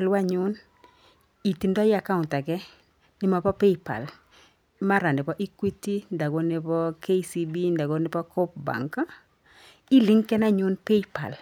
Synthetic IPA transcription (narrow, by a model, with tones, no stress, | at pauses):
lwa˦ɲʊ˦n | i˨ti˨ndɔ˦ja˨ka˦ʊ˨nta˨kɛ˦ | nɪ˨˦ma˨pɔ˦pe˦jpa̰˨l | ma˦ɾa˨ndɪ˨pɔ˦ʔi˦kwi˦ti˦nda˨ɡo˦nɪ˨pɔ˦ke˦i˦si˦bi˦nda˨ɡo˦nɪ˨pɔ˦kɔ˦p̚ba̰˨ŋka˦ | i˦li˦ŋkɛ˦na˦ɲʊ˦npe˦ipa̰˨l